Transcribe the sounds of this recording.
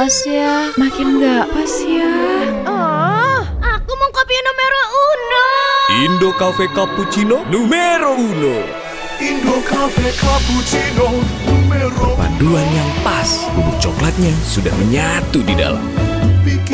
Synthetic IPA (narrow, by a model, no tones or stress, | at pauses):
pasjamakɪnɡaʔpasiaɔ | akumɔŋkopinumeɾounoindokafekaput͡ʃinonumeɾouno | indokafekaput͡ʃinonumeɾopa̰duanjaŋpasbuluk̚t͡ʃɔklat̪̚ɲasuda̰hməɲat̪udida̰la̰m